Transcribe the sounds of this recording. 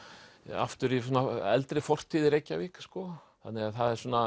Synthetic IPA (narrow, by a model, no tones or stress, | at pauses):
a̰ft̪ʏɾisɔnaɛ̰lt̪ɾɪfɔr̥t̪ʰiːðɪɾejcːaviːkskɔ | θanːɪɣaðθaðɛɾ̥sɔna